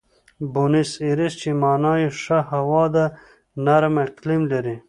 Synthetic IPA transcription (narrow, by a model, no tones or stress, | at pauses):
bunisiɾist͡ʃimɑːnɑːjiʂaɦawɑːd̪a | naɾmeʈklimlɐɾi